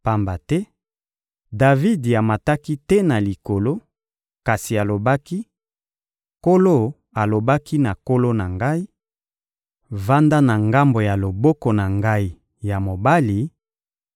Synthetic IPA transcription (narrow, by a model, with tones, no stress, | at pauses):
pa˨mba˨tɛ˦ | da˨vi˦da˨ma˨ta˦ki˦tɛ˦na˨li˨ko˨lo˦ | ka˨si˨a˨lo˨ba˦ki˦ | ko˦lo˦ | a˨lo˨ba˦ki˦na˨ko˦lo˦na˨ŋɡa˦i˦ | va˦nda˦na˨ŋɡa˦mbo˨ja˨lo˨bɔ˦kɔ˨na˨ŋɡa˦i˦ | ja˨mo˨ba˦li˨